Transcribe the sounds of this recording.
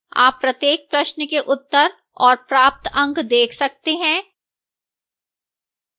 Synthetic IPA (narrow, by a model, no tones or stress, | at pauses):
a̰ːpːɾɐt̪jeːk̚pɾɐʃnkeʔʊt̪ːəɾ | ɔːɾpɾaːp̚t̪ɐ̃ŋɡd̪eːkʰsɐk̚t̪eɦɛ̃ː